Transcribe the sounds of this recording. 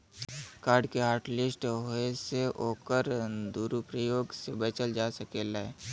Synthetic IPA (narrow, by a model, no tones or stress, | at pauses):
kaːɾɖkeɦaːɾʈlɪsʈɦoeseʔoːkəɾd̪uːɾupɾəjoːɡsebeːt͡ʃəld͡ʒaːsəkeːlae